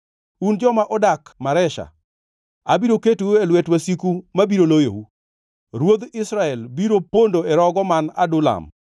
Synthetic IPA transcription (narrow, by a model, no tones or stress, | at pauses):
und͡ʒɔmaʔɔdakmaɾɛʃa̰ | abiɾoketuuelwɛtwasikumabiɾolojo̰wu | ɾwod̪ɪsɾaɛlbiɾopondoɛɾɔɡɔmana̰dʊla̰m